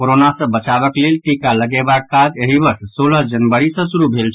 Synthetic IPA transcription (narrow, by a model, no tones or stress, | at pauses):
koɾonasə̃bət͡ʃabəklelʈikaləɡebakːad͡ʒeɦibəɾssoləɦd͡ʒənbəɾisə̃suɾubʱelt͡ʃʰ